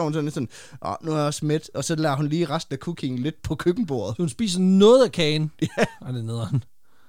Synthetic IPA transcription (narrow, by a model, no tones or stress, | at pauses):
hunsɒ̽nlesɔ̽n | ʔɒ̰nuæjɒ̽smed̥ʔɒ̽sɒ̽lɛ̰ɐɦunliːʁasd̥n̩ækʰukʰe̝ŋn̩le̝d̥̚pʰɒ̽kʰøɡ̥n̩b̥o̝ːɐð̩ˠhunsb̥ḭːs̬nɔ̽ːð̞̩ˠækʰɛːnjæɑd̥eneðˠɐhun